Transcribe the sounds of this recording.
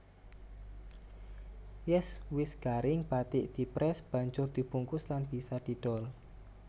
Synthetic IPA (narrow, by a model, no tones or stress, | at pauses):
jɛswɪsɡ̥aɾɪŋb̥at̪ɪʔd̪̥i̤pɾɛsb̥a̤ɲd͡ʒʊrd̪̥i̤b̥uŋkʊslanb̥i̤sad̪̥i̤ɖ̥ɔl